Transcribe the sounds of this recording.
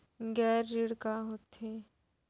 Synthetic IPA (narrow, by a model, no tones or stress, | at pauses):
ɡɛːɾːɪɽkaɦoːt̪eː